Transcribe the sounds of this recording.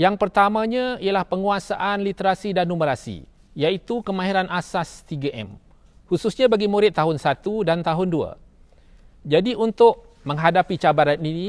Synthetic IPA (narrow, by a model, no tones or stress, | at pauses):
jaŋpərt̪amãɲãijalahpəŋuasaʔanlit̪əɾasidanːuməɾasḭ | jait̪ukəmãɦiɾanʔasast̪iɡaʔɛ̰m | husʊsɲãbaɡimuɾɪt̪ːaɦʊnsat̪udant̪aɦʊndua̰ | d͡ʒadiʔunt̪ʊʔ | mə̃ŋɦadapit͡ʃabaɾanini